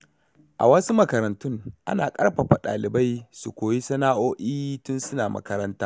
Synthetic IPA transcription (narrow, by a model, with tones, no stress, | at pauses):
ʔa̰˨wɐ˦su˦mɐ˨kɐ˨ɾɐ˨ntʊ˦ŋʔa̰˦naː˨kʼɐ˦rɸɐ˨ɸa˨ɗa̰ː˨lɪ˨ba˦jsu˨kʷoː˨ji˦sɐ˦naː˦ʔoː˦ʔiː˦tʊ˦nsʊ˦naː˨mɐ̰˦kɐ˦ɾɐ˦ntaː˦